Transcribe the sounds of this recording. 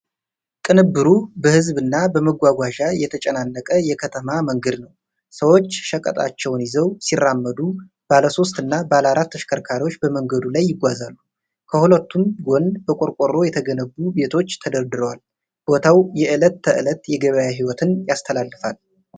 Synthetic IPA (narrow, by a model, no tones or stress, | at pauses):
kʼɨnɨbːɨɾubəhɨzbɨnːabəməɡʷaɡʷaʒajɛt̪ʰət͡ʃʼɛnanːəkʼəjɛkʰət̪ʰəmaməŋɡəd̪nəw | səwo̞t͡ʃːʃəkʼə̰t̪ʼa̰t͡ʃːɛwnjɪzəwsirːamːəd̪u | b̥aləso̞st̪ɨnːabəaləaɾat̪ːəʃkʰəɾkʰaɾiwo̞t͡ʃːbəməŋɡəd̪ulajːɪɡʷazalːu | kʰəhulət̪ʰːumɡo̞nbəkʼoɾkʼoɾo̞jɛt̪ʰəɡənəbːube̞t̪ʰo̞t͡ʃːt̪ʰəd̪əɾd̪ɨɾəwal | b̥o̞t̪ʰawjɛʔɨlət̪ːəʔɨlət̪jɛɡəβəjaɦiwɔt̪ʰɨnjast̪ʰəlalːɨfal